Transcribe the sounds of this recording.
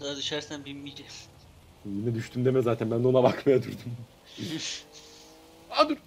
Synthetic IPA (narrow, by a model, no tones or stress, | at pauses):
ad̪yʃæɾsænbimiɟɛs | jinɛd̪yʃt̪ʰymd̪emɛzaːt̪ʰænbænd̪ɛo̞nabakmajad̪uɾd̪um | ad̪uɾ